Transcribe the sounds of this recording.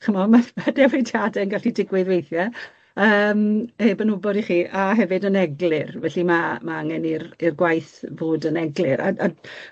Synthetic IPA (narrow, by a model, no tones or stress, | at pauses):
χəmɔmamadɛvitʰjadɛənɡaɬidɪɡwɨðwejθjɛ | əːmheːbənʊbɔɾiχiːʔaɦɛvɨdənɛɡlˠɪrvɛɬimamaaŋɛnirirɡwajθvoːdənɛɡlˠɨɾa̰a